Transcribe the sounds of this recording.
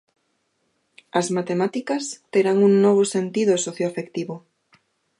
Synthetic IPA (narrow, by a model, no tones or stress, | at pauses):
ɐzmat̪emat̪ikɐst̪eɾaŋuŋnoβ̞osent̪iðosoθjoafekt̪iβo